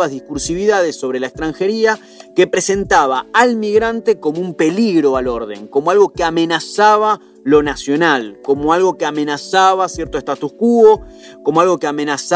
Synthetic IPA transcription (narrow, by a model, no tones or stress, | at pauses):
azðihkuɾsiβiðað̞esːo̞βɾe̞laekst̪ɾaŋxe̞ɾia | ke̞pɾe̞se̞nt̪aβ̞aalmiɣɾant̪e̞ko̞moumpe̞liɣɾo̞alo̞ɾðe̞̰ŋko̞moalɣo̞keame̞nasaβa | lo̞nasjo̞nalko̞moalɣo̞keamẽ̞nasaβasjeɾt̪oest̪at̪uskuo | komoalɣo̞keamẽ̞nas